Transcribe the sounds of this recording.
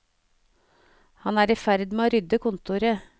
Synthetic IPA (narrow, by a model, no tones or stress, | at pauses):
hɑnæːɾiːfæɾd̪meoːɾʏd̪əkʰʊnt̪ʊɾə